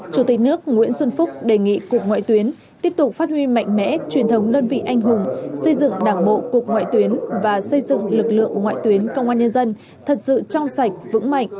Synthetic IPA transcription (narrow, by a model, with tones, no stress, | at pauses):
t͡ɕu˨˩t̪i˨˩k̟̚nɨ˦˥ək̚ŋwḭ˧˥ənswə˧nfʊ˦˥k͡p̚ɗe˨˩ŋḭ˧˨kək̚ŋwa̰ː˧˨jt̪wi˨˦ən | t̪i˦˥əp̚t̪ʊ˨˩k͡p̚faː˦˥t̚hwi˧ma̰˧˨jŋ̟mɛ̰˧˥t͡ɕwi˨˩ənt̪ʰə˨˦wŋ͡mɗəː˧nvḭ˧˨ʔa˧jŋ̟ɦʊ˨˩ŋ͡msə˧jzɨ̰˧˨ŋɗaː˨˩ŋɓo̰˧˨ku˨˩ək̚ŋwa̰ː˧˨jt̪wi˨˦ənvaː˨˩sə˧jzɨ̰˧˨ŋlɨ˨˩k̚lɨ̰˧˨əŋ˩˨˩ŋwa̰ː˧˨jt̪wi˨˦ənkə˧wŋ͡mʔaː˧nɲə˧nzə˧n | t̪ʰə˨˩t̚sɨ̰˧˨t͡ɕɔ˧wŋ͡msa˨˩jk̟̚vɨ̰˧˥ŋma̰˧˨jŋ̟